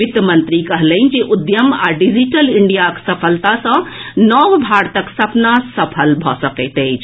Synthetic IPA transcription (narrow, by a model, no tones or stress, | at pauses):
it̪əmənt̪ɾikəɦləɪnd͡ʒeʔud̪jəma̰ɖid͡ʒiʈəliɳɖijaksəpʰəlt̪asə̃nɔʋbʱaɾt̪əksəpnasəpʰəlbʱɔsəkət̪əjt͡ʃʰ